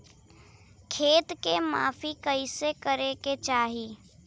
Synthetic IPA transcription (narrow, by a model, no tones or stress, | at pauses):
kʰeːt̪kema̰ːfikəisekəɾeket͡ʃaːɦiː